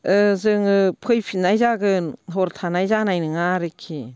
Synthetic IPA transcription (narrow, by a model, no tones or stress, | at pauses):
ɯzɯŋɯpʰɯjpʰinajzaɡɯnɦɔɾtʰanajzanajnɯŋaɾɯkʰːi